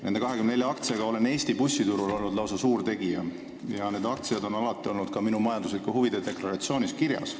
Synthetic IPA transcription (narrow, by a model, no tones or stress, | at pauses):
ne̞ne̞kɑɦekymnneljɑɑkt̪seɡ̥ɑo̞le̞ne̞ːst̪ipusːit̪uɾulo̞lnud̪lɑwsɑsuːrt̪e̞ɡ̥ijɑ̰ | jɑne̞ːd̪ɑk̚t̪sied̪o̞nɑlɑt̪ˑːio̞lnud̪̥kɑminumɑjɑnd̪uslikːuhuvid̪̥ed̪e̞klɑɾɑt̪sio̞ːnʲiskirjɑ̰s